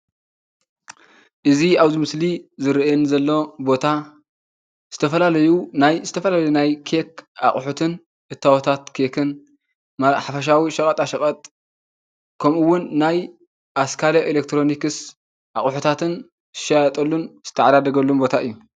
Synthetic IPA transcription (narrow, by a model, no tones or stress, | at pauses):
ʔɨziaβzimɨslizɨɾʔjɛnzɐlːo̞bo̞t̪ʰa | z̥ɨt̪ʰɐfɐlalɐjunajzɨt̪ʰɐfɐlalɐjunajkʰeka̰χʼħut̪ʰɨn | ʔɨt̪ʰːawot̪ʰat̪kʰekʰɨn | maħafɐʃ̬awiʃɐkʼɐt̪ʼaʃɐkʼɐt̪ʼ | kʰɐmɨwːʊnːaj | ʔaskʰalɐʔelek̚t̪ʰɾo̞nikɨs | ʔaχʼħut̪ʰat̪ʰɨn | ɨʃajɐt̪ʼɐlːunz̥ɨ̥t̪ʰɐʕad̪ad̪ɐɡɐlːumbo̞t̪ʰaʔɨjːu